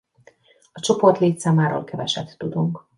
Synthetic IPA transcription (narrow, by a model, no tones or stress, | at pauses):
ɒt͡ʃo̞po̞rt̪leːt̪saːmaːɾo̰ːlkɛvɛʃɛt̪ːud̪uŋk